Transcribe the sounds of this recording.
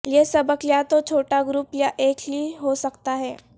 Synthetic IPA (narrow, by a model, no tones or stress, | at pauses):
jesɐbəkljat̪ot͡ʃʰoːʈaɡɾupljaʔeːkʰliɦosəkt̪aɦɛː